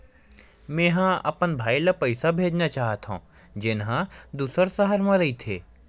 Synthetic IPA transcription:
mẽːɦãɐ̰pənbʱaːilɐpəɪsabʱeːd͡ʒnat͡ʃaːɦət̪ɦõ̰ː | d͡ʒɪnɦãd̪uːsəɾsɐɦəɾmãɾɐit̪ʰeː

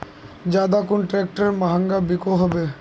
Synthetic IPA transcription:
d͡ʒaːd̪akʊnʈɾɛk̚ʈəɾemaɦə̃ŋɡabikoɦobe

